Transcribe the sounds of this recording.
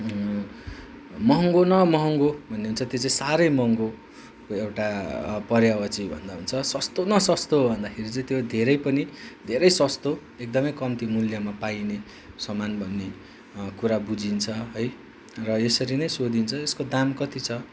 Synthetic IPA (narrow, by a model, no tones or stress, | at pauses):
mʌɦʌŋɡonʌmʌɦʌŋɡobʱʌnːeɦunt͡sʰʌt̪jot͡saĩsaɾʌjmʌŋɡo | koewʈapʌɾjawʌt͡sibʱʌ̰nd̪aɦunt͡sʰʌsʌst̪onʌsʌst̪obʱʌnd̪akʰeɾit͡sʌĩt̪jod̪ʱeɾʌjpʌnid̪ʱeɾʌjsʌst̪o | ek̚d̪ʌmʌjkʌmt̪imuljamapajne | sʌmanbʱʌnːe | kuɾabud͡zint͡sʰʌɦʌj | rʌesʌɾinʌjsod̪int͡sʰʌeskod̪amkʌt̪it͡sʰʌ